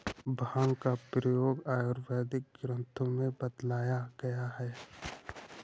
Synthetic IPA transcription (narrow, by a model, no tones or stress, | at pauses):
bʱaːŋkapɾəjoːɡaːjoːɾʋɛːd̪ɪk̚ɡɾə̃nt̪ʰõmẽbəd̪laːjaɡɐjaɦɛː